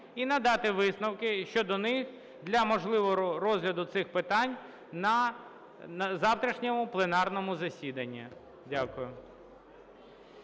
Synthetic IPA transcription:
inɐd̪ɑt̪ɪʋɪsnɐwkɪʃt͡ʃɔd̪ɔnɪx | d̪lʲɐmɔʒlˠɪʋɔɔɾɔzʲlʲɐd̪ʊt̪sɪxpɪt̪ɑnʲ | nɐ | nɐzɑwt̪ɾʲɐʃnʲɔmʊplˠenɑrnɔmʊzɐsʲid̪ɐnʲːɐ̰ | dʲakʊjʊ

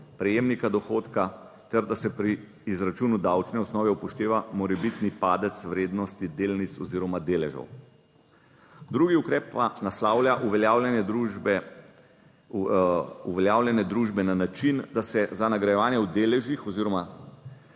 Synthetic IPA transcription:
pɾɛjeːmnikad̪ɔxoːt̪ka | t̪ɛɾd̪asɛpɾiː | zɾat͡ʃuːnud̪awt͡ʃnɛɔsnɔːʋɛupɔʃt̪eːʋamɔɾɛbit̪nipaːd̪ɛt̪sʋɾeːd̪nɔst̪id̪eːlnit̪sɔziːɾɔmad̪eːlɛʒɔ̰w | d̪ɾuɡiukɾɛːpːanaslaːwljaʔuʋɛjawlɛnɛd̪ɾub | uʋɛljaːwlʲjɛnɛd̪ɾuːʒbɛnanat͡ʃind̪asɛzanaɡɾajɛʋaːnjɛwd̪eːlɛʒixɔziːɾɔma

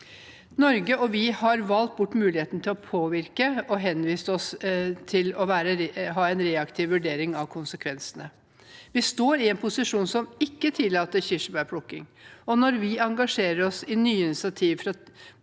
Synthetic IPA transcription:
nɔɾɡəʔɔʋɪhɑɾʋɑlt̪̚bʊʈːmʉːlɪheːt̪nət̪ʰɪlɔpʰoːʋɪɾkəʔɔɦɛnʋiːst̪əɔst̪ʰɪlɔʋæːɾəɦɑːɛnɾeːɑkt̪ʰɪːʋʋʉɖeːɾɪŋɑʋkʰʊnsəkʰʋɛnsənə | ʋɪst̪oːɾɪɛnpʰʊsɪʂuːnsɔmɪkːət̪ʰɪlːɑːt̪əɾçɪʂəbæpʰlʊkːɪ̰ŋɔnɔɾʋɪɑŋɡɑʂeːɾəɾɔsɪnyːəɪnɪsɪɑt̪ʰiːʋfɾɑ

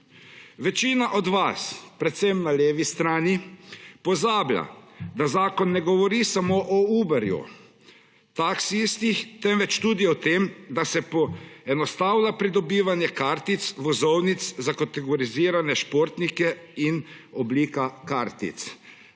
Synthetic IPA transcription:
ʋɛt͡ʃiːnaʔɔd̪ʋaspɾɛt̪sɛmnaleːʋist̪ɾaːnipɔzaːblʲja̰d̪azaːkɔnːɛɡɔʋɔɾiːsamoʔɔuːbɛɾjṵ | t̪aksisk̪ixt̪ɛnʋɛt͡ʃt̪uːd̪iɔt̪emd̪asɛpɔɛnɔst̪awlapɾid̪ɔbiːʋanjɛkaːɾt̪it̪sʋɔzɔwnit̪szakat̪ɛɡɔɾiziːɾanɛʃpoːɾt̪nikɛinɔbliːkakaːɾt̪ḭt̪s

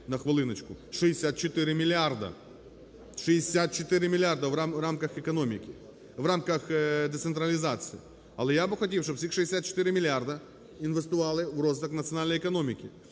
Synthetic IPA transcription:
nɐxʋɐlˠɨnɐt͡ɕkʊʂɨɪsʲat̪̚t͡ɕɪt̪ɪɾʲɪmʲɪlʲɪard̪ɐ̰ | ʂɨjɪsʲat̪̚t͡ɕɪt̪ɪɾʲɪmʲɪlʲɪard̪ɐvɾamkɐxɛkɐnomʲɪkʲɪ | vɾamkɐxd̪ɛt̪sɨnt̪ɾɐlʲɪzat̪sɨi | ɐlˠɛjabɨxɐtʲifʃt̪opfsʲixʂɨɪsʲat̪t͡ʃɪ̥t̪ɪɾʲɪmʲɪlʲɪard̪ɐ | ɪnvəst̪ʊvalˠɪvrozt̪ɐknɐt̪sɨɐnalʲnəjɪkɐnomʲɪkʲɪ

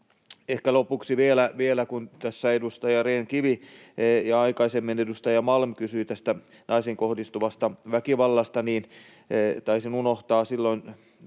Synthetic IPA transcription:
ehkælopuksiʋielæʋielækunt̪æsːæedust̪ɑjɑreːŋkiʋi | jɑɑikɑisemːenedust̪ɑjɑmɑlmkysyit̪æst̪æ | nʔɑiseŋkohdist̪uʋɑst̪ɑʋækiʋɑlːɑst̪ɑniːn | t̪ɑisinunoht̪ɑːsilːoin

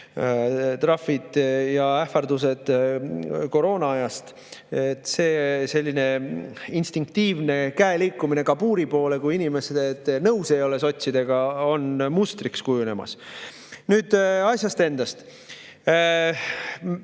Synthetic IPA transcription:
t̪ɾɑfid̪̥jɑæfɑrd̪use̞d̪̥ | ko̞ɾo̞ːnɑɑjɑst̪ | et̪ːˑse̞ːse̞lʲːine̞inst̪iŋk̚t̪iːvne̞kæeliːkːˑumine̞kɑbuːɾipo̞ːle̞kujinʲime̞sed̪̥et̪ːˑnɤwsejo̞le̞so̞t̪ʲsid̪̥e̞ɡ̥ɑo̞nmust̪rikskujune̞mɑ̰s | nyːd̪̥ɑsʲjɑst̪e̞nd̪̥ɑst̪

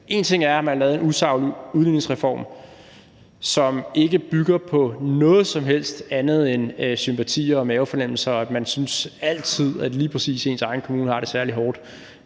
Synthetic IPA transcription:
ʔe̝ːnt͡sʰe̝ŋ̰æɐæmænhɑlɛːðˠenusɑ̈ʊ̰luðˠlyneŋsʁɛfɒ̰ːm | sɒ̽me̝ɡ̥əb̥yɡ̥ɐpʰɒ̽nɔ̽ːð̞̩ˠsɒ̽mɦel̰sd̥ænð̞̩ˠensympʰæt͡sʰḭːɐ̽ːmɛːʊfɒnem̰l̩sɐæd̥mænsynsæl̰t͡sʰið̞̰ˠædliːpʰʁɛsḭːse̝ːnsɑ̈ɪn̩kʰomuːnəhɑ̈ɾ̥e̝sæɐliɦɒːd̥

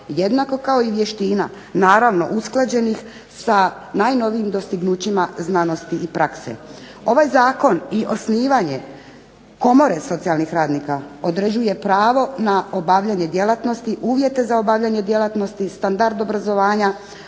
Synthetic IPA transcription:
je̞d̪nako̞kao̞iʋje̞ʃt̪iːna̰ | naːɾaʋno̞̰ʔusklˠad͡ʑe̞nix | sa | najno̞ʋiimd̪o̞st̪iɡnuːt͡ɕimaznano̞st̪iipɾʔaksḛ | o̞ʋajzaːko̞niʔo̞sniːʋaɲe̞ | ko̞mo̞ɾeso̞t̪sialˠnixɾaːd̪nikao̞d̪ɾed͡ʑuje̞pɾaːʋo̞nao̞baʋʎaɲe̞d̪je̞lat̪no̞st̪iʔuːʋje̞t̪e̞zaobaːʋʎaɲe̞d̪je̞lat̪no̞st̪ist̪and̪aɾd̪o̞bɾazo̞ʋaːɲa

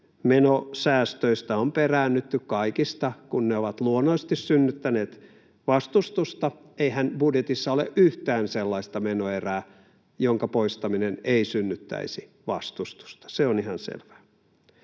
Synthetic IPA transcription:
menosæːst̪øist̪æomperæːnːyt̪ːykkɑikist̪ɑkunneoʋɑt̪luonːoist̪issynːyt̪ːæneːt̪ | ʋɑst̪ust̪ust̪ɑ | eiɦænb̥udjet̪isːɑolḛʔyht̪æːnselːɑist̪ɑmenoeræː | joŋkɑpoist̪ɑmineneisynːyt̪ːæ̰isi | ʋɑst̪ust̪u̥st̪ɑ̥seonihɑnsḛlʋæ̥ː

